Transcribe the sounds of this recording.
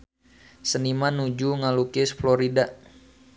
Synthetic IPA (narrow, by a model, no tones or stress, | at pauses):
sənimanud͡ʒuŋalukɪsflɔɾida